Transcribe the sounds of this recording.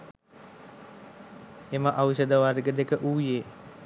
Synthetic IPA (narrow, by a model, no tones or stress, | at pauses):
eməʔaʋuɕəd̪əʋaɾɡəd̪ekəʔuːjeː